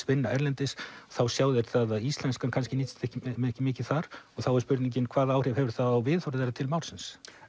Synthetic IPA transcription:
vɪnːaɛɾlɛnt̪ɪsθawsjaːwðɪɾθaðaðist̪lɛnskankʰanscɪnit̪st̪ɛhcɪɛhcɪmɪːcɪ̥θaɾɔɣθawɛɾspʏɾt̪niɲcɪnkʰv̥aːðaaːwr̥ɪvhɛvʏɾ̥θaawvɪːðhɔwɾɪðajɾat̪ʰɪlmawlsɪns

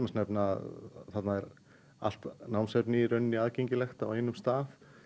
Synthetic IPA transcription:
masnɛpnaθat̪naɛɾ | a̰l̥t̪nawmsɛpnɪɾœnːiaːðceɲcɪlɛxt̪aawhejnːʏmst̪aːθ

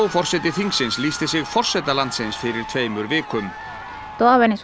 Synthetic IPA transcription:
wfɔr̥sɛt̪ɪθiŋksɪnsliːst̪ɪsɪɣfɔr̥sɛt̪alant̪sɪnsfɪɾɪɾt̪ʰveːjmʏɾvɪːkʏm | t̪oavɛnɪs

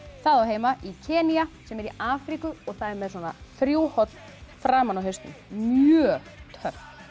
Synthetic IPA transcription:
θaðawɦeːjmaʔicʰɛːniasɛmɛɾiaːfɾikʏɔɣθaðɛɾmɛðswɔna̰θɾjuwhɔt̪n | fɾaːmanawɦest̪ʏ̰nmjœːt̪ʰœrt̪

